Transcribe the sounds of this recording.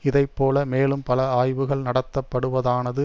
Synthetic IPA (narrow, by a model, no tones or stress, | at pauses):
ɪðɐɪpːoːlɐmeːlɯmpɐlɐaːjʋɯɣɐɭnɐɽɐt̪ːɐpːɐɽɯʋɐðaːnɐðɯ